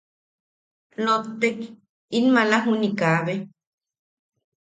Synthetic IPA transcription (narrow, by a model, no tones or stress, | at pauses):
not̪ːek | inmalaɦunikaβe